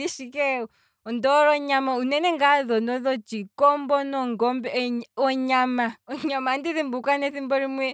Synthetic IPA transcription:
iʃikɛu | ɔndɔɾɔɲamaunɛnɛŋɡaðɔndɔðɔd͡ʒikɔmbɔnɔŋɡɔmbɛɔɲamaɔɲamandiðimbukwanɛθimbɔɾimwɛ

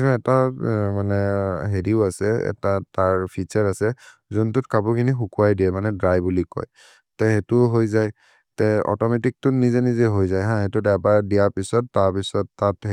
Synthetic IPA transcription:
nɛtamanɛɦediʊasɛɛ̰tataɹpʰit͡ʃɛɹasɛ | zɔntʊtkabukʰinixukuajdiɛmanɛdɹajbulikɔ̰j | tɛɦetʊɦojzaj | tɛɔ̰tɔmetik̚tʊnizenizeɦojzajɦãɦetʊdɛpadijapisɔtːaɹpisɔtːatɦ

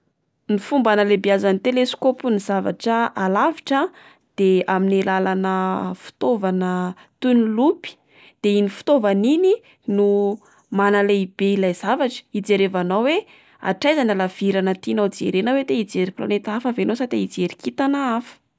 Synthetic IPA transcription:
nifumbanəlebiazanit̪elesu̥kopunizava̰ʈ͡ʂəʔalaviʈ͡ʂə | d̪̥eaminilalanəfu̥t̪ovanə | t̪unilupi̥ | d̪̥einifu̥t̪ovanini | nu | manaleib̥eilajz̥avaʈ͡ʂə̥id͡zeɾevanawwe | a̰ʈ͡ʂajzanalav̥iɾanət̪inad͡zḛɾenawed̪eid͡zeɾipla̰net̪afavenosat̪eid͡zeɾikit̪anaafə̥

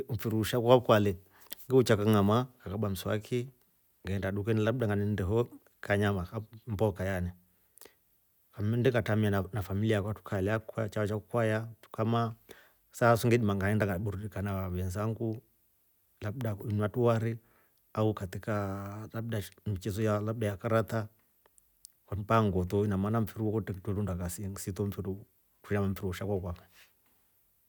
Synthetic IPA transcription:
m̩fiɾuʃakuwaukwalɛ | ŋɡɛut͡ʃakaŋamakakaɓam̩sa̰kʰi | ŋɡaɛndaɗuk̬ɛnɛlaɓɗaŋɡanɛndɛɦɔ | kaɲamakam̩bɔkajanɛ | famndɛŋɡatamianafamiliakwatu̥kʰalɛakkwat͡ʃaat͡ʃakukwajatu̥kama | sasuŋɡɛɗimaŋɡaɛndaŋɡaɓuɾudikanawaβɛnzaŋɡu | laɓɗainwatuwaɾi | aukat̪ikalaɓdamit͡ʃɛzɔjalaɓ̚ɗajakaɾat̪a | kwanpaŋɡɔt̪ɔinamanaɱ̩fiɾuwɔkɔtɛktwɛɾundakasisit̪ɔɱ̩fiɾu | tuʃamaɱ̩fiɾuwɔʃakakwamɛ

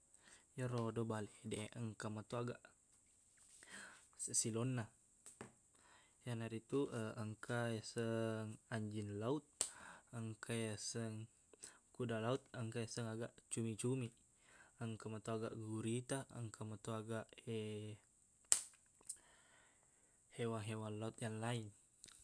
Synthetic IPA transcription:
jaɾodobaledɛəŋkamat̪oaɡaʔ | silonːa | janaɾit̪uəəŋkasəŋaɲd͡ʒinlaut̪̚əŋkʰajasəŋ | kudalaut̪̚əŋkajasəŋaɡaʔt͡ʃumit͡ʃumi | əŋkamat̪oaɡa̰ʔɡuɾit̪aə̰ŋkamat̪oaɡaʔe | hewaŋɦewanlaut̪̚jaŋlain

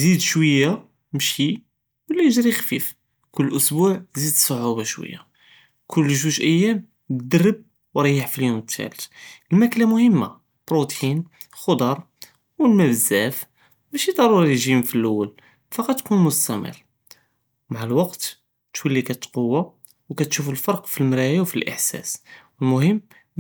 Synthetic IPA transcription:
zid̪ʃwəjːa | mʃi | wəlːæjʒɾixfif | kʊlːʔʊsbuʕzid̪sˤːoʕubaʃwə̰jːa̰ | kʰʊlːʒuʒʔəjːæm | d̪ərːəb̚ | wɾˤɑjəħfiljumət̪ʰːæ̰lət̪əlmæklamʊhəmːa̰ | bɾot̪in | lxod̪ˤɑɾˤ | wəlmæbəzːæf | bæʃid̪ˤɑɾˤuɾiliʒimfilʔʊwːəl | fɑqɑt̪kunmʊst̪æmə̰r | maʕlwɑqt̪ | t̪wəlːikæt̪qowːa | wkæt̪ʃufəlfɑɾˤqfilmɾæjawfilʔə̰ħsæ̰swəlmʊhəmː

